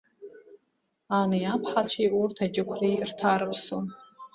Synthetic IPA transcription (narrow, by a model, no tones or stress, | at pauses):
anɨjapʰħat͡ɕʷʰiurtʰad͡ʒɪkʷʰrirtʰaɾɨpʰson